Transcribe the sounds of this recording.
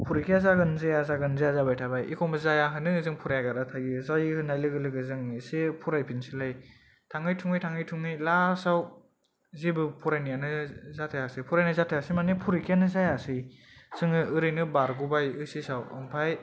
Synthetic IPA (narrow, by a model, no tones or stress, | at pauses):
pʰuɾikʰijazaɡɯnzajazaɡɯnzazabajtʰabajḭkʰɔmɯzajaɦɯnɯzɯŋpʰuɾajɡaɾatʰaɡizajihɯnajlɯɡɯlɯɡɯzɯŋisepʰuɾajpʰinsilaj | tʰaŋɯjtʰuŋɯjtʰaŋɯjtʰuŋɯjlasaw | zibɯpʰuɾajnijanɯzatʰajasɯpʰuɾajnɯzatʰajasimanepʰuɾikʰjanɯzajasɯjz̥ɯŋɯɯɾɯjnɯbaɾɡubajɯsisawɯ̰mpʰaj